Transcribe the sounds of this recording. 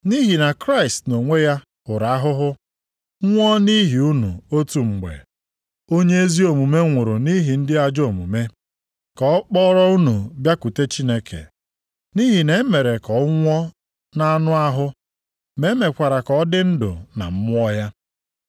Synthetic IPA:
ni˦ɦi˨na˨kɾa˦ɪ˨stno˨ŋʷe˦ja˦ | ʊ˨ɾa˨a˦ɦʊ˦ɦʊ˦ | ŋʷɔ˦ni˦ɦi˨u˦nṵ˨o˦tu˨ŋ͡m̩˨ɡ͡bḛ˨ | o˦ɲe˦e˦zi˦o˨mu˨me˦ŋʷʊ˨ɾʊ˨ni˦ɦi˨n̩˦dɪ˦a˦d͡ʒo˨mṵ˨me˦ | kɔ˨˦k͡pɔ˦ɾɔ˦u˦nu˨bja˦ku˨te˦t͡ʃi˦ne˦kʰḛ˨ | ni˦ɦi˨ne˨˦me˨ɾe˨kɔ˨˦ŋʷɔ˦ | na˦a˦nʊ˦a˦ɦʊ˦ | me˨˦me˨kʷa˨ɾa˨kɔ˨ɔ˦dɪ˦n̩˦dʊ̰˨na̰˨m̩˦mʊ˦ɔ˦ja˦

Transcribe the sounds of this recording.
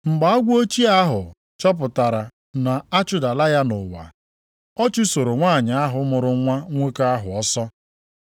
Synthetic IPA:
ŋ͡m̩˨ɡ͡ba˨ɔ˦ɡʷo˦t͡ʃi˦a˦ɦʊ˨ | t͡ʃɔ˦p̬ʊ˨ta˨ɾa˨ | na˨a˦t͡ʃʊ˦da˨la˦ja˦nʊ˨wa̰˨ | ɔ˦t͡ʃʊ˦so˨ɾo˨ŋʷaː˦˨ɲa˨a˦ɦʊ˨˦mʊ˨ɾʊ˨ŋʷa˦ŋʷe˦ka˦ɦʊ˨ɔ˦sɔ˦

